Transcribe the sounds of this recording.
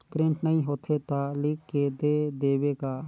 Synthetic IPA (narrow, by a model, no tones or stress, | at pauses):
pɾɪ̃ɳʈnɐɦĩɦoːt̪ʰet̪aliːkːed̪ed̪eːwekaː